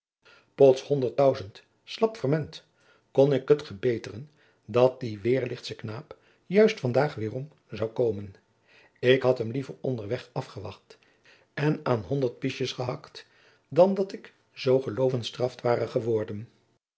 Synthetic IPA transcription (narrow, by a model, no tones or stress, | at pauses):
pɔtshɔndəɹt̚dœɥzənt | slɑpfəɹmɛnt | kɔnɪkɦətχəɹbejtərən | dɑt̚diʋɪːɹlɪχtsəknaːp | jœɥstfɑndaːχʋɪːrɔm | zɑwkoːwmən | ɪkɦɑtɦəmlivəɹɔ̰ndəɹʋɛχɑfχəʋɑ̰χt | ɛnaːnɦɔndəɹt̚piʃəsχəɦɑkt | dɑndɑtɪk | z̥owχəlowvənstrɑftʋaːrəχəʋɔɹdən